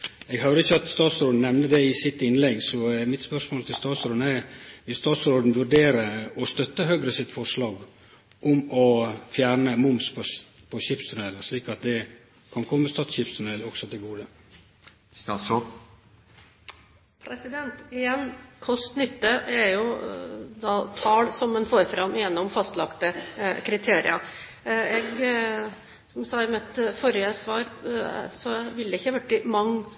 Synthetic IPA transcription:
ɛɡɦœʉɾəɪçːəɑt̪st̪ɑːt̪sɾoːd̪n̩ɛʋnəd̪ɛɪsɪt̪ɪnlɛɡsɔmɪt̪spœʂmoːlt̪ʰɪlst̪ɑːt̪sɾoːd̪n̩ɛʋɪlst̪ɑːt̪sɾoːd̪n̩ʋʉɖeːɾəɔst̪œt̪ːəɦøːɡɾəsɪt̪fɔɾʂlɑːɡ | ʔʊmɔfjæːɾɳəmʊmspʰɔ | pʰɔɕɪːpst̪ʰʉnɛlːəʂliːkɑt̪̚d̪ɛ | kʰɑnkʰɔmːəst̪ɑːt̪sɕɪːpst̪ʰʉnɛlɔɡsɔt̪ʰɪlɡuːd̪ə | pʰɾɛsɪd̪ɛnt̪ɪɛnkʰɔst̪nʏt̪ːəʔɛɾjʊ | d̪ɑːt̪ʰɑːlsɔmɛnfoːɾfɾɑmːjɛnːɔmfɑst̪lɑkt̪əkʰɾɪt̪ʰeːɾɪ̰ɑ | ɛɡ | sɔmsɑmɛt̪fɔɾɪəsʋɑːɾsɔʋɪld̪əɪçːəɑʋœʈːɪmɑŋː

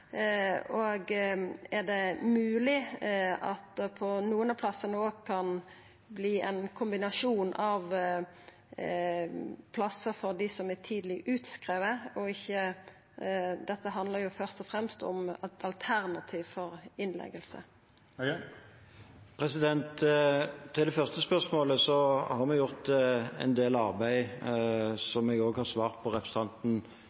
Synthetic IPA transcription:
oɡɛʁd̪ɛmʉːlɪɑt̪pʰɔnuːənɑpʰlɑsːənəoːkʰɑn | bliːɛ̰nkʰʊmbɪnɑʂuːnʔɑʋ | pʰlɑsːəfɔʁd̪ɪsɔmæt̪ʰiːd̪əlɪʔʉːt̪skʁeːʋəɔɪçːə | d̪ɛt̪ːəɦɑnd̪ləɾjʊfœʁst̪ɔfʁɛmst̪ɔ̰mɑɑlt̪ʰæɾnɑt̪ʰiːʋfɔɾɪnlɛ̰ɡəlsə̰ | pʰɾɛsɪd̪ɛnt̪ʰː | ɪld̪ɛfœʁst̪əspœʁsmoːləsɔhɑɾmɛjʊʁt̪ɛ̰nd̪eːlɑ̰ʁbæɪ | sɔmːɛɡoːɡhɑsʋɑːʁt̪̚pʰɔʁɛpɾə̥st̪ʰɑnt̪n̩

